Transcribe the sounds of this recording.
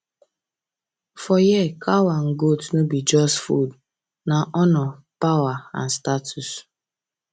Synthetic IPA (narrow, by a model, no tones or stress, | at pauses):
fɔjɛkʰawaŋ̩ɡotnubid͡ʒɔsfṵd | naʔɔnɔ | pawaa̰n̩statʰus